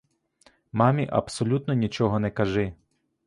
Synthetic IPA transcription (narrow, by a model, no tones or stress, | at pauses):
mɑmʲiʔɐ̰psɔlʲut̪nɔnʲit͡ʃɔɦɔnɛkɐʒɪ